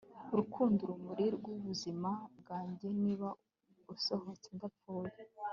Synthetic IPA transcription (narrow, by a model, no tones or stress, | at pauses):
uɾukʰuːnduɾumuɾiɾɡuβuzimab̚ɡaːɲɟe̞niːβa | usohot͡seŋɡafoːje